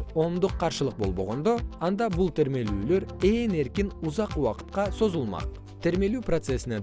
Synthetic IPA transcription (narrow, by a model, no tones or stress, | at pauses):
o̞md̪ʊqʰːɑɾʃəlˠəq̚bo̞lˠbo̞̰ʁo̞nd̪o̞ɑnd̪ɑbʊlˠt̪ʰeɾme̞lyːlø̞ɾe̞ne̞ɾkʲɪnʊzɑqwɑqə̥t̪qɑso̞zulˠmɑ̰q | t̪ʰe̞ɾme̞lʉpro̞t̪se̞sɪne